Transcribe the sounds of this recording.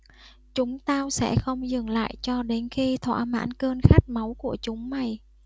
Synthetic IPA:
t͡ɕʊ˨˦ŋ͡mt̪aː˧wsɛ̰˧˥xə˧wŋ͡mzɨ˨˩ŋla̰ː˧˨jt͡ɕɔ˧ɗe˨˦nxi˧t̪ʰwa̰ː˧˥˩ma̰ː˧˥nkəː˧nxa˦˥jk̟̚ma˨˦wku˧˩ət͡ɕʊ˨˦ŋ͡mma˨˩j

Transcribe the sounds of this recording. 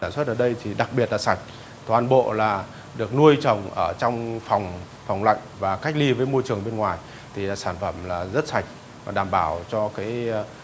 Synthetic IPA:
aː˧˩nswt̚ʔəː˧˩ɗə˧jt̪ʰi˨˩ɗa˨˩k̚ɓi˨˩ət̚laː˨˩sa˨˩jk̟̚ | t̪waː˨˩nɓo̰˧˨laː˨˩ | ɗɨ˨˩ək̚nu˧əjt͡ɕə˨˩wŋ͡mʔəː˧˩t͡ɕɔ˧wŋ͡mfɔ˨˩wŋ͡m | fɔ˨˩wŋ͡mla̰˧˨jŋ̟vaː˨˩ka˦˥k̟̚li˧vəː˨˦jmo˧jt͡ɕɨ˨˩əŋɓe˧nŋwaː˨˩j | t̪ʰi˨˩laː˨˩saː˧˩nfə˧˩mlaː˨˩zə˦˥t̚sa˨˩jk̟̚ | vaː˨˩ɗaː˨˩mɓaː˧˩wt͡ɕɔ˧kaː˨˦j

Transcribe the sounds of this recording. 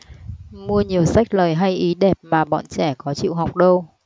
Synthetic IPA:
mu˧əɲi˨˩əwsa˦˥jk̟̚ləː˨˩jɦa˧jʔi˨˦ɗɛ˨˩p̚maː˨˩ɓɔ̰˧˨nt͡ɕɛ˧˩kɔ˨˦t͡ɕḭ˧˨wɦa˨˩wk͡p̚ɗə˧w

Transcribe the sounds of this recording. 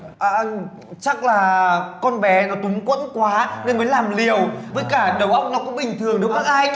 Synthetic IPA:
ʔəː˨˩ʔ | t͡ɕa˦˥k̚laː˨˩kɔ˧nɓɛ˨˦nɔ˨˦t̪ʊ˨˦ŋ͡mkwə̰˧˥nkwaː˨˦ne˧nməː˨˦jlaː˨˩mli˨˩əwvəː˨˦jkaː˧˩ɗə˨˩wʔə˦˥wk͡p̚nɔ˨˦kʊ̰˧˥ŋ͡mɓï˨˩ŋ̟t̪ʰɨ˨˩əŋɗɨ˨˩˦k̚ma˦˥k̚ʔa˧j

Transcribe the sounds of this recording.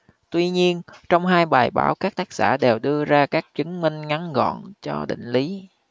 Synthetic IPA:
t̪wi˧ɲi˧ənt͡ɕɔ˧wŋ͡mɦaː˧jɓaː˨˩jɓa̰ː˧˩wkaː˦˥k̚t̪aː˦˥k̚sa̰ː˧˩ɗe˨˩wɗɨ˧əzaː˧kaː˦˥k̚t͡ɕɨ˨˦ŋmï˧ŋ̟ŋa˨˦nɣɔ̰˧˨nt͡ɕɔ˧ɗḭ̈˧˨ŋ̟li˨˦

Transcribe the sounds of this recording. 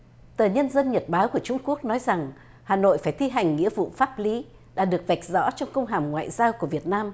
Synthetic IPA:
t̪əː˨˩ɲə˧nzə˧nɲə˨˩t̚ɓaː˨˦wku˧˩ət͡ɕʊ˧ŋ͡mku˦˥ək̚nɔ˨˦jza˨˩ŋ | haː˨˩no̰˧˨jfaː˧˩jt̪ʰi˧ɦa˨˩jŋ̟ŋḭ˧˥əvṵ˧˨faː˦˥p̚li˨˦ | ɗa̰ː˧˥ɗɨ˨˩ək̚va˨˩jk̟̚zɔ̰˧˥t͡ɕɔ˧wŋ͡mkə˧wŋ͡mɦaː˨˩mŋwa̰ː˧˨jzaː˧wku˧˩əvi˨˩ət̚naː˧m

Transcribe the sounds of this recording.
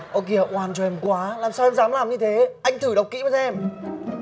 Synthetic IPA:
ʔo˧ki˧˩ə˨˩ʔwaː˧˩nt͡ɕɔ˧ʔɛ˧mkwaː˨˦laː˨˩msaː˧wɛ˧mzaː˨˦mlaː˨˩mɲɨ˧t̪ʰe˨˦ʔa˧jŋ̟t̪ʰɨ˧˩ɗə˨˩wk͡p̚kḭ˧˥˦mə˨˧˩ʔɛ˧m

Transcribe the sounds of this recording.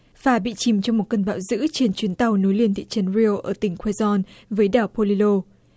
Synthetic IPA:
faː˧˩ɓḭ˧˨t͡ɕi˨˩mt͡ɕɔ˧ŋ͡mmo˨˩t̚kə˧nɓa̰ː˧˨wzɨ̰˧˥t͡ɕe˧nt͡ɕwi˨˦ənt̪a˨˩wno˨˦jli˧˩ənt̪ʰḭ˧˨t͡ɕə˨˦nɹi˧ʔəː˧˩t̪ï˧˩ŋ̟kwɛ˧zɔ˧nvəː˨˦jɗaː˧˨˩wpo˧li˧lo˧

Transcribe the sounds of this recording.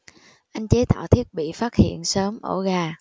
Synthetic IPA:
ʔa˧jŋ̟t͡ɕe˨˦t̪a̰ː˧˨wt̪ʰi˦˥ət̚ɓḭ˧˨faː˦˥t̚hḭ˧˨ənsəː˨˦mʔə˧˩ɣaː˨˩

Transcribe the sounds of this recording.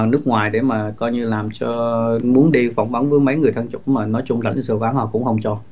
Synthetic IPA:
nɨ˦˥k̚ŋwaː˨˩jɗe˧˩maː˨˩kɔ˧jɲɨ˧laː˨˩mt͡ɕɔ˧mu˨˦ənɗi˧fa˧˩wŋ͡mvə˨˦nvəː˨˦jmə˨˦jŋɨ˨˩əjt̪ʰaː˧ŋt͡ɕʊ̰˧˥˩k͡pmaː˨˩nɔ˨˦jt͡ɕʊ˧ŋ͡mlə̰˧˩˨ŋsɨ˧˩ʔaː˨˦nhɔ˨˩kʊ̰˧˥ŋ͡mxə˧wŋ͡mt͡ɕɔ˧

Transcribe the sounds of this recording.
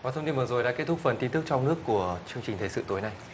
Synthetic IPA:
vaː˨˩t̪ʰə˧ŋ͡mt̪i˧nvɨ˨˩zo˨˩jɗa̰ː˧˥ke˦˥t̪̚ʰʊ˦˥k͡pk̚fə˨˩nt̪i˧nt̪ɨ˦˥k̚t͡ɕɔ˧wŋ͡mnɨ˦˥əkːu˧˩ət͡ɕɨ˧əŋt͡ɕï˨˩ŋt̪ʰe˨˩sɨ̰˧˨t̪o˨˦jna˨˩j

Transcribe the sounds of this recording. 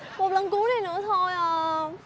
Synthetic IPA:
mo˨˩t̚lə˨˩nku˨˦na˨˩jnɨ̰˧˥ət̪ʰo˧˩jʔəː˨˩

